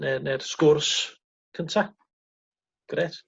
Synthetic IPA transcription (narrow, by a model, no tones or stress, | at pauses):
nɛnɛr̥skʊrs | kʰəntʰa | ɡ̥ret